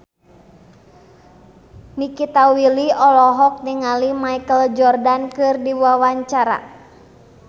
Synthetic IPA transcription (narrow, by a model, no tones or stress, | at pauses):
nikit̪awiliɔlɔɦɔk̚niŋalimaikəld͡ʒɔrdankɨrdiwawaɲt͡ʃaɾa̰